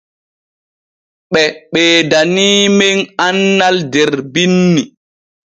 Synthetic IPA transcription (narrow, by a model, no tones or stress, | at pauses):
ɓɛɓɛːdaniːmeŋanːaldɛɾbinːi